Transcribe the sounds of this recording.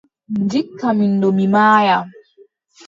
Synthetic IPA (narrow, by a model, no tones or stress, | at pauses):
nd͡ʒikːamindɔmimaːja